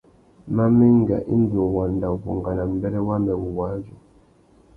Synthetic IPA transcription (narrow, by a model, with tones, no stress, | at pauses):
ma˦mi˦ŋ˦ɡa̰˨ʔḭ˦n˦do˨wa˨nda˨u˨ku˨ŋɡa˨na˨m̩˨bɛ˦ɾɛ˦wa˦mbɛ˨wu˨wa˨˦d͡ʒu˨